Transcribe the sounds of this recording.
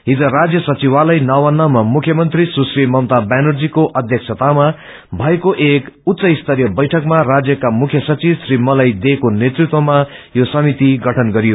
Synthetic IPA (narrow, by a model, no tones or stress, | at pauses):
ɦid͡zʌɾad͡zjʌsʌt͡siwalʌjnawʌnːamamukʰjʌmʌnt̪risusrimʌmt̪abanurd͡zikoʔʌd̪ʱjʌksʰʌt̪ama | bʱʌekoʔekut̪sʌist̪ʰʌɾjʌbʌjʈʰʌkmarad͡zjʌkamukʰjʌsʌt͡sisrimʌlajd̪ekonet̪rut̪wʌmajosʌmit̪iɡʌʈʰʌnɡʌɾijo